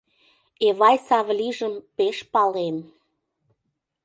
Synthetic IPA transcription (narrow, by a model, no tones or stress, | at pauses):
eβɑjsɑβlʲiʒəmpeʃpɑlen